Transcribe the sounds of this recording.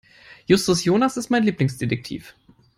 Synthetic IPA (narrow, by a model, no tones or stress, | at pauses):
jʊstʊsjoːnasɪst̚maɪnliːplɪŋsd̥edɛk̚tʰḭːf